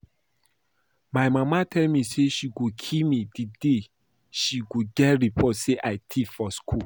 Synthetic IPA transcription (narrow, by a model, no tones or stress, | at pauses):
majmamatʰɛlmiseʃiɡokʰilmidide | ʃiɡoɡɛtɹipʰɔtseʔaɪtʰifɔskʰul